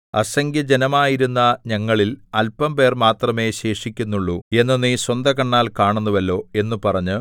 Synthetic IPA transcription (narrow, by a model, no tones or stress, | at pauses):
ɐsɐŋɡjɐd͡ʑe̞nɐmaːjiɾunːɐɲɐŋːɐɭilɐlpɐmpe̞ːrmaːt̪rɐme̞ːɕe̞ːʂikʲːunːuɭːue̞nːɐniswɐnd̪ʱɐkɐɳːaːlkaːɳunːuʋɐlːo̞ːe̞nːupɐrɐɲːu